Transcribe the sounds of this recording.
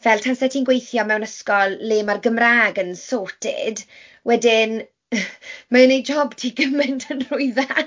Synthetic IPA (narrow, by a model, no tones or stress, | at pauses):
vɛltʰansɛtʰiːnɡwejθjɔmɛwnəskɔlˠlɪːmarɡəmraːɡənsoːtʰɪ̰d | wɛdɪn | maənejd͡ʒɔbtʰiːɡəmɛntʰənr̥ʊɨða